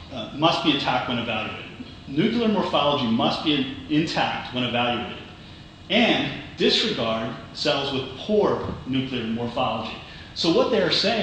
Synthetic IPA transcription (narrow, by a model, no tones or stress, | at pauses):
mʌst̚b̥iɨtʰæk̚t̚wə̃ñɨvælˠjʉḛɪɾɨɨd | nʉkliə˞mɔɹfɑlˠəd͡ʒimʌst̚b̥iɨɪ̃ntʰæk̚t̚wə̃ɾ̃ɨvælˠjʉeɪɾɨ̰d | ɨ̃ndɪsɹɨɡɑɹd̥̚ | sɛlˠzwɨð̥pʰuɹnʉkliə˞mɔɹfɑlˠəd͡ʒḭ | soʊwʌt̪̚ðeɪə˞seɪɪ̃